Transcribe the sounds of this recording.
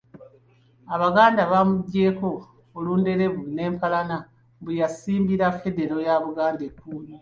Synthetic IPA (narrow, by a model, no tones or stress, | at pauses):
aβaɡaːndaβamuɟːe̞ːko̞ː | luːnde̞ɾe̞βune̞ːmpalana | bujasiːmbiɾafe̞de̞ɾo̞jaβuɡaːndekːuni